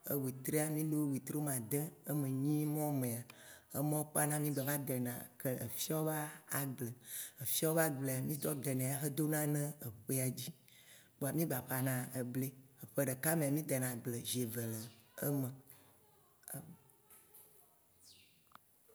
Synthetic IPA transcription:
ə˨wi˨t̪ɾe˦a˦mĩ˦ɖo˦˨wi˨t̪ɾo˦mã˨d̪ɛ̃˦ə˦mẽ˨ɲĩ˦mɔ̃˦mẽ˨a˨ə˦mɔ̃˦k͡pa˦nã˦mĩ˦ɡ͡bɛ˨va˦d̪ɛ˨nã˨kɛ˦ʔə̰˨fi˦a˦wva˦a˨ɡ͡blɛ˨ə˨fi˦a˦wo˦va˦ɡ͡ble˨a˨mĩ˦d̪ɔ˦d̪ɛ˨nɛ̃˨a˨xe˦d̪o˦nã˦nɛ̃˦ə˨ɸe˦a˨d͡ʑi˦ | k͡po˨a˨mĩ˦ba˨ɸa˨nã˨ə˨ble˦ə˨ɸə˦ɖə˨ka˦mẽ˨a˨mĩ˦d̪ɛ˨nã˨ɡ͡ble˨ʒe˨və˨lə˨ə˦mə̃˨˦

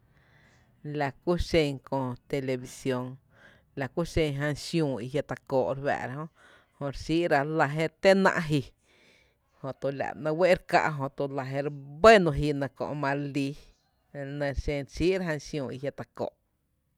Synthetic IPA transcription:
la˨ku˦ʃẽ˧ɲkõ˧˨t̪e˧le˧bi˧sjo˧ŋ | la˨ku˦ʃẽ˧ɲɦã˧nʃjũː˧˨i˧ɦja˧t̪a˧koː˨ʔɾwæ̰˧˨ɾa˧ɦõ˦ | hõ˧ɾsiː˦ʔɾa˧la˧ɦe˧t̪e˦nã̰˧ʔɦi˧ | hõ˧t̪o˧la̰˨nə̃˧we˦ʔɾka̰˧ʔɦõ˧t̪u˧la˧ɦe˧ɾbə˦nũ˧ɦi˧nã˧kõ̰˧ʔmã˧ɾli˧˦˧ | nə̃˧ɾʃẽ˧ɾʃiː˦ʔɾa˦a˧nsjũː˧i˧ɦja˧t̪a˧ko̰ː˨ʔ

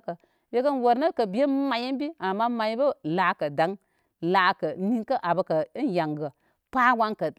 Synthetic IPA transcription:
kə˨ | je˦kə˦nwo˨ɾnə˦kə˨bi˨˦e˦ma˨ji˦n˦bi˦a˨mːa˦ma˨jbə˦la˨kə˨da˨˦ŋ | la˨kə˨ni˦nkə˦ʔa˨bə˧kə˨˦nja˨ŋɡə˨ | pa˦wa˧˦nkə˨

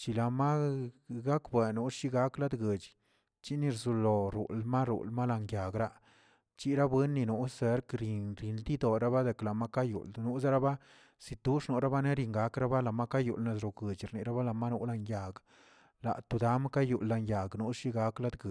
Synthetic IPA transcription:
t͡ʃi˨la˨ma˦ɡa˦kbe˨nu˦ʂi˦ɡa˦kla˦d̪ɡe˨t͡ʃ | t͡ʃi˦ni˧ɾzu˧˨lo˨ɾṵ˨lma˦ɾṵ˨lma˦la˧ŋja˨ɡɾa˦ | t͡ʃi˦ɾa˦bwe˦nːi˧nu˦se˨˦ɾkɾi˨nɾi˨nd̪i˦d̪o˨ɾa˦ba˦d̪e˨kla˨ma˦ka˦jṵ˨lnu˧˦za˦ɾa˦ba˦ | si˨t̪u˦ʂnu˨ɾa˦ba˦ne˦ɾi˧ŋɡa˨˦kɾa˦ba˦la˨ma˦ka˦jṵ˨lne˧˨s̬ɾo˨ɡə˨t͡ʃɾni˨ɾa˦ba˦la˧˨ma˦nu˦ʔla˧nja˨ɡ | la̰˨t̪u˧d̪a˦m˦ka˦ju˨lːa˧nja˨ɡnu˦ʂi˦ɡa˦kla˦d̪ɡə˨

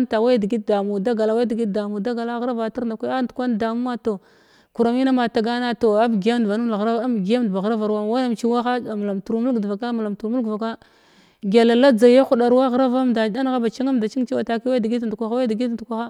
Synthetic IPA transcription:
mta˨wa˦jdi˨ɡi˦t̚da˨mu˨da˦ɡa˨la˨wa˦di˨ɡi˦t̚da˨mu˨da˦ɡa˨la˦ɣɾa˦va˨ta˦ɾnda˨ka˦a˦ndu˨kʷa˦n˦da˨mu˦a˦to˨ | ku˨ɾa˨mi˦na˦ma˨ta˨ɡa˦na˦to˨a˦bɡa˦m˨va˨nu˦m˦˨a˨ɣɾa˦m˨ɡi˨ja˦m˦dba˨ɣɾa˦va˨ɾwa˦˨wa˦a˦mt͡ʃi˦wa˦xa˦a˨m˨la˨mtu˨ɾmu˦lɡdva˨ka˦m˨la˨mtu˨ɾmu˦ɡva˨ka˦ | ɡʲe˨la˨la˦d͡za˨ja˦xu˦ɗa˨ɾwa˦ɣɾa˦va˦mda˨da˦n˦ɣa˦ba˨t͡ʃi˦ŋa˦m˨da˨t͡ʃi˦ŋ˦t͡ʃi˦wa˨ta˨ki˦wa˦da˨ɡi˦tndu˨kʷa˦xa˦wa˦da˨ɡi˦tn˨du˨kʷa˦xa˦

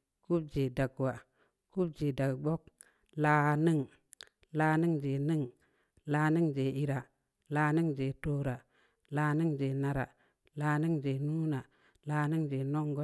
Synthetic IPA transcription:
ku˦b̚d͡ʒe˨da˨ɡwa˨ | ku˦b̚d͡ʒe˨da˨ɡ͡bo˦k̚ | la˨ni˦ŋ | la˨˦ni˦ŋd͡ʒe˨ni˦ŋ | laː˨ni˦ŋd͡ʒe˨i˨ɾa˨ | laː˨˦ni˦ŋd͡ʒe˨to˦ɾa˨ | laː˨˦ni˦ŋd͡ʒe˨na˨ɾa̰˨ | laː˨ni˦ŋd͡ʒe˨nu˦na˨ | la˨ni˦ŋd͡ʒe˨no˦ŋɡo˦

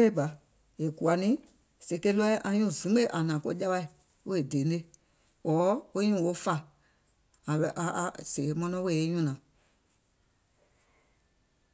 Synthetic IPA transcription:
e˦ɡ͡ba˨ | e˨ku˨a˨˦nĩ˦ | se˨ke˦lɔ˦ʔã˧ɲũ˦˨zĩ˨˦e˦ʔa˨nãː˨ko˧˦ɟa˦ɓa˧i˨ | wo˦e˨de˨˦e˦ | wɔː˨˦o˦ɲũ˦˨o˦fa˧ | a˨ɓɛ˧ʔa˨˧˨se˨˦mɔ̃˧nɔ̃˦we˦˨e˦ɲũ˦nãː˨

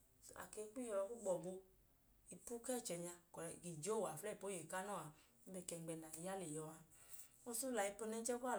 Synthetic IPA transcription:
a̰˨ke˧˦k͡pi˦jɔ˧lɔ˧ku˦ɡ͡bɔ˨bo˧ | i˨pu˦kɛ˦˨t͡ʃɛ˨ɲa˧kɔ˨ki˨d͡ʒo˦˨wa˨flɛ˦˨po˨˦je˨ka˦nɔ˦˨a˨˦ | bɛ˧˨kɛ˧˨ɡ͡bɛ˧na˨i˨ja˦le˨jɔ˧a˧ | o˧su˦la˨i˧po˧nɛ˧˦t͡ʃɛ˦ka˦˨

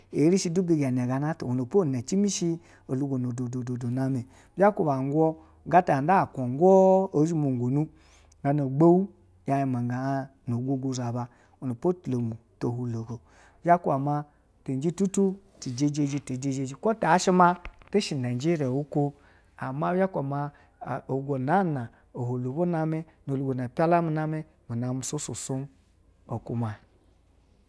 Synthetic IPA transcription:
e˨˦ɾi˦ʃi˧du˦bi˧ɡa˨n˨e˨ɡa˧na˦to̰˨wo˨no˨po˦˨ne˨t͡ʃi˦mi˦ʃi˧ | o˨lu˧ɡo˨no˨do˨do˨do˨do˨na˧˦me˨ | ba˦ko˦˨ba˨ŋ˦ɡʷɔ˦ | ɡa˦ta˨˦da˦˨kʷo˨ŋ˦ɡʷɔ˦o˨˦d͡ʒi˦mo˨ŋ˨ɡo˨nu˦ | ɡa˨˧no˨ɡ͡bo˦wu˦ | ja˨˧ji˧ma˨ŋ˨ɡa˨˧ | no˨ɡʷo˧ɡo˧za˨ba˧ | o˨no˨po˦˨tlo˨mu˨to˨hu˧lo˨ɡo˨ | d͡ʒa˦kʷu˦a˨ma˧ | te˨n˦d͡ʒi˦tu˦tu˦ | ti˨d͡ʒe˦d͡ʒe˦d͡ʒi˦to˨d͡ʒe˦d͡ʒe˦d͡ʒi˦ko˦ta˨˦ʃi˦ma˦te˦ʃi˨na˨d͡ʒi˦ɾi˨a˨wu˦ko˦ | a˨ma˦ja˦kʷa˨ma˦˨ | o˨ɡo˨na˦˨na˨ | o˨hu˨lo˨ɡo˦na˦me˦no˨lu˨ɡo˨na˨pʲa˦la˦mi˨˦na˦me˦ | mi˨na˨˦m̩˦˨so˦su˨su˦m | o˨ku˦ma˨

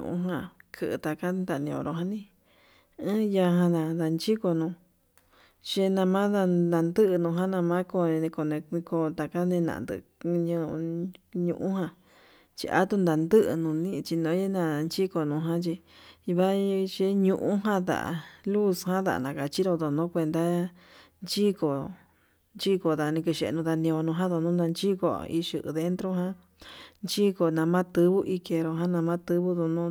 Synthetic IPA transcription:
ṵ̃˧ʔṵ̃˦ɦã˧kʰɨ˧˨ʔɨ̰˧t̪a˧ka˦nd̪a˧˨˧nĩ˧õ̰˧ɾo˧ɦã˧nĩ˦ | ɨ̃˦ja˧ɦã˧nã˧d̪a˧nt͡ʃi˦ko˧nũ˧ | ʃe˧nã˧mã˦ða˧nã˧nd̪ɨ˦ʔɨ˧nũ˧ɦã˦nã˧mã˦ko˧ẽ˧nẽ˧ko˧˨nẽ˧ĩ˧ko˧t̪a˨ka˦nẽ˧nã̰˨nd̪ɨ̰˧ɲũ˧ɲṵ̃˧ʔũ˦hã˧ | t͡ʃḭ˧ʔa̰˧˦t̪u˦˧nd̪a˨˧nd̪ɨ˦ʔɨ̰˧nũ˨nĩ˦˧t͡ʃi˧nõ˧˦e˦nã˧˨˧nt͡ʃi˦ko˧nũ˧ɦã˦t͡ʃi˧βa˦˧t͡ʃe˧˦ɲũ˧ʔũ˦ɦã˦d̪a̰˨ʔa̰˨lu˦shã˦ða̰˨nã˨ka˨t͡ʃi˦ɾo˧ðo˨nõ˦kʷe˧nd̪a˦ | nt͡ʃi˦ko˨ | nt͡ʃi˦ko˨ða˨nĩ˧ki˧ʃe˧ʔḛ˧nũ˧ða˧nĩ˧o˧nũ˧ɦã˦ðo˧nũ˦nã˧nt͡ʃi˦ko̰˧˨ḭ˧ʃɨ˧ʔɨ̰˧ðe˧˦nt̪ɾo˦ɦã˦ | nt͡ʃi˦ko˧nã˧mã˦t̪ɨ˧βu˦ʔi˧ke˧ɾo˧ɦã˦nã˧mã˦t̪ɨ˧βu˦ðo˧nũ˦

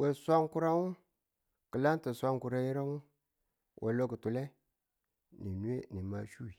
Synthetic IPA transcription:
we˨sʷa˦ŋku˦ɾa˦wu˦ | kə˨la˦nti˨sʷa˦ŋku˨ɾa˦ji˦ɾa˦wu˦ | wʔḛ˨lo˦ɡu˨tu˨le˦ | ni˨nu˦e˦ni˨ma˦ʃu˦wi˨

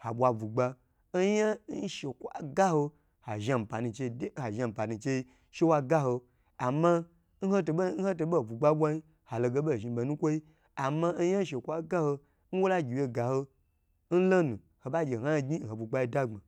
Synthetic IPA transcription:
ha˨ɓʷa˨vu˨ɡ͡ba˧ | n̩˦ja˦n˦ʃe˨kʷa̰˦ɡa˦ho˧ | ha˨ʒa˧m̩˨pa˨nu˧t͡ʃe˧de˦ha˨ʒa˧˨m̩˨pa˨nũ˨˧t͡ʃe˧i˧ | ʃe˦wa˧ɡa˦ho˧ | a˨ma˧ | n̩˦ho˦to˧bn̩˦ho˦t̬o˧ɓo˦˨vu˨ɡ͡ba˦bʷa˧ɲi˦ | ha˨lo˧ɡe˧˦ɓo˦˨ʒi˧be˨nũ˦kʷo˦i˦ | a˨ma˧n̩˦ja˦n̩˦ʃ̬e˨kʷa˦ɡa˦ho˧ | n̩˦wo˦la˦ɡʲi˨je˧˨ɡa˨ho˧ | n̩˦lo˦nũ˨ | ho˨ɓa˦d͡ʒʲe˨ha˦˧ɡi˦˨ho˨bu˨ɡ͡ba˧i˦da˦ŋ͡ma˨

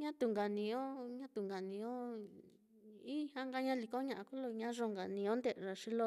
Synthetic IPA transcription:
ɲã˦t̪u˧˨ŋɡa˨nĩ˧õ˦ɲã˦t̪u˨ŋɡa˨nĩ˧õ˦ | i˦hã˧˦ŋɡa˧ɲã˦li˧ko˦ɲã˧˨ã˧ku˦lo˧ɲã˦ʐo˧ŋɡa˨nĩ˧õ˦nd̪e˧˨ʐa˧ʂi˧lo˧

